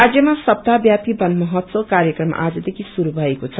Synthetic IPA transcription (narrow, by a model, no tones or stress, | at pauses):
ad͡zjʌmasʌb̚t̪abjapibʌnmʌɦʌt̪sokaɾjʌkrʌma̰ʔad͡zʌd̪ekʰisuɾubʱʌekot͡sʰʌ